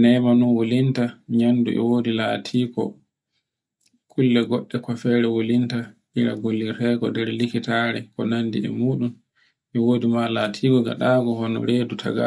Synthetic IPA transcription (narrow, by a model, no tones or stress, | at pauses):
nɛmanunwolintaɲanːduʔɛ̰woːdilaːtʰiːkɔ̰ | kʰulːɛɡɔɗːɛkafɛːɾɛwolintaʔiɾa̰ɡolːiɾɛɡɔ̰dɛɾlikitaɾɛkɔnandiɛ̰muːɗun | ʔɛwoːdimalaːtʰiːɡɔɡa̰ɗaɡɔhɔnɔ̰ɾedutʰa̰ɡa̰